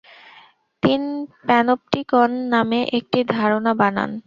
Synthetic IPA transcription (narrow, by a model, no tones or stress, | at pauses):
t̪inpɛnop̚ʈikɔnːameʔek̚ʈid̪ʱaɾonabana̰n